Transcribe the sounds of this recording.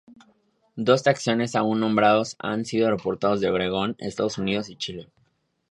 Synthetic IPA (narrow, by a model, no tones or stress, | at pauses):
d̪o̞st̪ɾaksjo̞ne̞saunːõ̞mbɾað̞o̞sa̰nsiðo̞repo̞ɾt̪aðozðe̞βɾe̞ɣ̞o̞nḛst̪að̞osunið̞o̞sit͡ʃile̞